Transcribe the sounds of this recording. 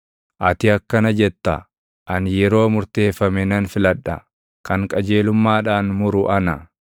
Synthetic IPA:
ʔɐt̪ɪɐkːɐnɐd͡ʒɛt̪ːɐ̰ | ʔɐnjɛɾo̞ːmʊɾt̪e̞ːfːɐmɛnɐnfɪlɐᶑːɐ̰ | kɐŋkʼɐd͡ʒe̞ːlʊmːaːᶑaːnmʊɾʊʔɐnɐ

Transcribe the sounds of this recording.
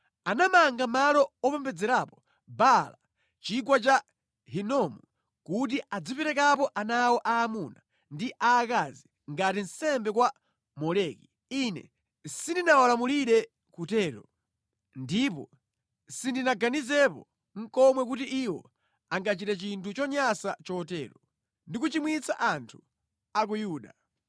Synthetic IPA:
anamaŋɡamalɔɔpɛmbɛd͡zɛɾapɔ̥ | bala | t͡ʃik̬wat͡ʃa | ɦinɔmu | kut̬iad͡zipɛɾɛk̬ap̬ɔʔanawɔʔaːmuna | ndiʔaːkazi | ŋɡatinsɛmbɛkwa | mɔlɛːki | inɛ̰ | sindinawalamuliɗɛ | kutɛːɾɔ | ndipɔ̰ | sindinaɡanizɛpɔ | ŋ̩kɔmwɛk̬utiʔiwɔ̰ | aŋɡat͡ʃitɛt͡ʃintʰut͡ʃɔɲasat͡ʃɔtɛːɾɔ | ndikut͡ʃimwit͡sa̰ʔantʰu̥ | ak̬ujuːɗa

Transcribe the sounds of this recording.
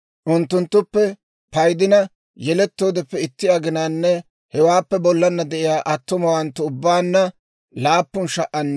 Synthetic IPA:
ʔʊnt̪ːʊnt̪ːʊpːɛ | pɐjd̪ɪnɐ | jɛlɛt̪ːo̞ːd̪ɛpːɛɪt̪ːɪjɐɡɪnaːnːɛ | hɛwaːpːɛbɔlːɐnːɐd̪ɛʔɪjaːʔɐt̪ːʊmɐwɐnt̪ːʊʊbːaːnːɐ | laːpːʊnʃɐʔɐnː

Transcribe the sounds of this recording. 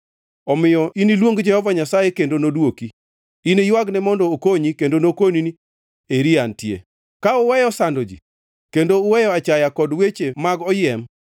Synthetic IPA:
ɔmɪjɔʔinilwoŋɡd͡ʒɛhɔvaɲasajekendonodwoki | inejwaɡnɛmɔndɔːkoɲikendonokonini | eɾiantjḛ | kaʊwɛjɔsandod͡ʒḭ | kendoʊwɛjɔat͡ʃajakɔdwet͡ʃemaɡɔjɛm

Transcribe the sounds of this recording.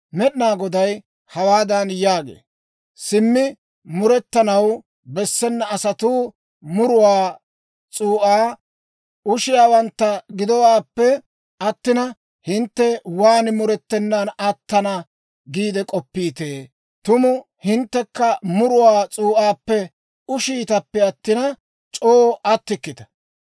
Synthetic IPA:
mɛɗnaːɡɔd̪ɐj | hɐwaːd̪ɐnjaːɡḛː | sɪmːɪ | mʊɾɛt̪ːɐnɐw | bɛsːɛnːɐːsɐt̪uː | mʊɾʊwaː | t͡sʼuːʔaː | ʊʃɪjaːwɐnt̪ːɐɡɪd̪ɔwaːpːɛ | ɐt̪ːɪnɐ | hɪnt̪ːɛwaːnmʊɾɛt̪ːɛnːɐnɐt̪ːɐnɐ | ɡiːd̪ɛkʼɔpːiːt̪eː | t̪ʊmʊ | hɪnt̪ːɛkːɐmʊɾʊwaːt͡sʼuːʔaːpːɛ | ʊʃiːt̪ɐpːɛɐt̪ːɪnɐ | t͡ʃʼoːʔɐt̪ːɪkːɪt̪ɐ̥

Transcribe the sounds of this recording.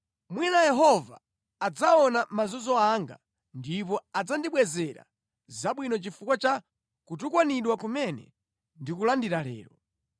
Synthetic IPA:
mwinajɛɦɔvaː | d͡zaɔnamazɔzɔaŋɡa̰ | ndipɔad͡zandiɓwɛzɛɾa̰ | zaɓwinɔt͡ʃifukwat͡ʃa | kutukwaniɗwakumɛnɛ̰ | ndikulandiɾalɛ̰ːɾɔ

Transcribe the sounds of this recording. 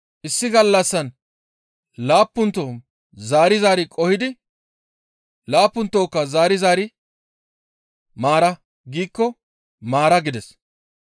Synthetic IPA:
ʔɪsːɪɡɐlːɐsːɐn | laːpːʊnt̪ːoː | zaːɾɪzaːɾɪkʼɔhɪd̪ɪ | laːpːʊnt̪ːoːkːɐzaːɾɪzaːɾɪ | maːɾɐ | ɡiːkːɔ | maːɾɐɡɪd̪ɛs

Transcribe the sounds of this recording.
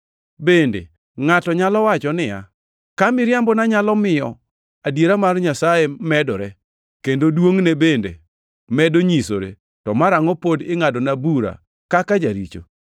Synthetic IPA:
bendḛ | ŋatɔɲalɔwat͡ʃɔnɪja̰ | kamɪɾjambɔnaɲalɔmɪjɔ | adjeɾamarɲasajemɛdɔɾɛ | kendodwoŋnebendḛ | mɛdoɲisoɾḛ | tɔmaɾaŋɔpodɪŋadɔnabuɾa̰ | kakad͡ʒaɾḭt͡ʃo̰

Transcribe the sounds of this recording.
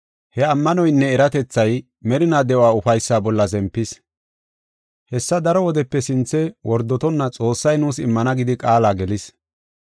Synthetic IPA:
hɛɐmːɐnɔjnːɛːɾɐt̪ɛt͡sːɐj | mɛɾɪnaːd̪ɛaːʊfɐjsːaːbɔlːɐzɛmpːɪs | hɛsːɐd̪ɐɾɔwɔd̪ɛpːɛsɪnt͡sːɛwʔɔɾd̪ːɔt̪ɔnːɐt͡sʼo̞ːsːɐjnuːsɪmːɐnɐɡɪd̪ɪkʼaːlaːɡɛlɪs

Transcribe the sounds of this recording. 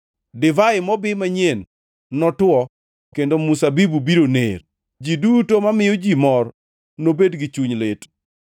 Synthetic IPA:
dɪvaɪmɔbɪmaɲen | nɔtwɔ | kendomusabibubiɾonḛr | d͡ʒidutomamɪjɔd͡ʒimɔr | nobedɡɪt͡ʃuɲlet

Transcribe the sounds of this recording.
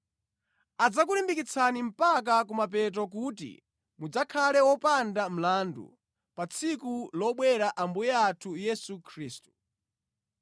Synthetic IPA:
ad͡zakulimbikit͡sʰanim̩pak̬ak̬umap̬ɛt̬ɔk̬ut̬ḭ | mud͡zakʰalɛwɔpandam̩landṵ | pat͡sʰikulɔɓwɛɾaʔambujɛatʰujɛsukʰɾiːstu̥

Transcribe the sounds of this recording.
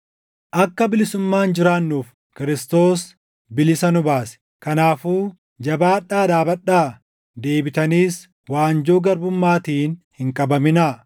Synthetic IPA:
ʔɐkːɐbɪlɪsʊmːaːnd͡ʒɪɾaːnːuːf | kɪɾɪst̪o̞ːs | bɪlɪsɐnʊbaːsɛ̥ | kɐnaːfuː | d͡ʒɐbaːᶑːaːd̪aːbɐᶑːaː | d̪e̞ːbɪt̪ɐniːs | waːnd͡ʒoːɡɐɾbʊmːaːt̪iːnhɪŋkʼɐbɐmɪnɐ

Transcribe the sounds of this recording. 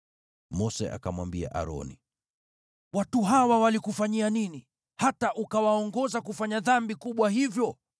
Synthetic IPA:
mɔsɛ̰ʔa̰kamwambia̰ʔa̰ɾɔ̰nḭ | watuɦawawalikufaɲianini | hataʔukawaɔŋɡɔzakufaɲaðambikuɓwahivjɔ

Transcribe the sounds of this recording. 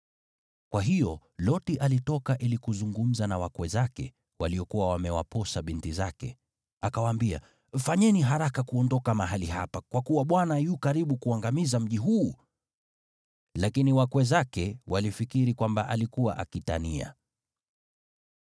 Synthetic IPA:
kwaɦijɔ | lɔtiʔalitɔkaʔilikuzuŋɡum̩zanawakwɛzakɛ̰ | waliɔkuwawamɛwa̰pɔsaɓintizakɛ̰ | akawaːmbia̰ | faɲɛniɦaɾakakuɔndɔkamaɦaliha̰pakwakuwaɓwanajukaɾiɓukuaŋɡamizam̩ʄiɦuː | lakiniwakwɛzakɛwalifikiɾikwambaʔalikuwaʔakita̰nia̰

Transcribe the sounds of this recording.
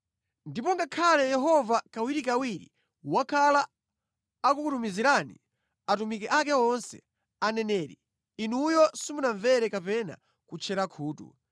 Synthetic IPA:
ndip̬ɔŋɡakʰalɛjɛɦɔvakawiɾikawiɾḭ | wakʰalaː | kukutumiziɾanḭ | atumikɛʔak̬ɛɔnsɛ̰ | anɛnɛːɾḭː | nujɔsimunaɱvɛɾɛkapɛna̰ | kut͡ʃʰɛɾakʰuːtṵ

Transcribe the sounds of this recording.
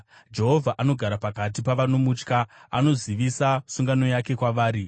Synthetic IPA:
d͡ʒe̞ɦo̞vʱaʔano̞ɡʱaɾapakat̬ipaʋanomut͡ʃkaano̞ziʋisasuŋɡano̞jake̞kwaʋaːɾi

